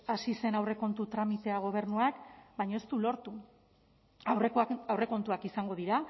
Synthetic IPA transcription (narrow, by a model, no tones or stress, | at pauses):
asise̞nawre̞ko̞nt̪ut̪ɾamit̪e̞aɣ̞o̞β̞e̞ɾnuakbajɲo̞est̪ulo̞ɾt̪u | eawre̞ko̞nt̪uakisaŋɡo̞ð̞iɾa